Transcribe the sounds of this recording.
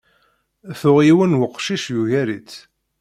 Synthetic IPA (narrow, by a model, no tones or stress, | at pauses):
θʊʁjiwənwəqːʃiʃjuʝæɾit͡s